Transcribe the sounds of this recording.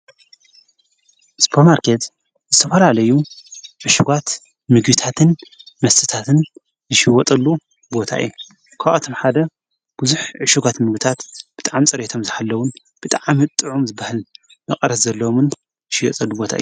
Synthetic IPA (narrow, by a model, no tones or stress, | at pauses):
ʔspʰomaɾkʰet̪ | zɨt̪ʰɐfɐlalɐjuʕɨʃuɡat̪ | mɨɡɨt̪ʰat̪ʰɨnmɐst̪ʰɨt̪ʰat̪ʰɨn | zɨʃiwɔt̪ʼɐlːu | bo̞t̪ʰa̰ʔɨ̰jːu | kʰawʔɐt̪ʰomħad̪ɐ | b̥uzuħʕɨʃuɡat̪mɨɡit̪ʰat̪b̥ɨt̪ʼaʕamt͡sʼɐɾet̪ʰo̞mzɨħalːɐwʊn | b̥ɨt̪ʼaʕamit̪ʼɨʕumzɨbahɨl | mɐχʼɐɾɐszɐlːɐomɨn | zɨʃɪwɔ̰t̪ʼɐlːubo̞t̪ʰa̰ʔɨju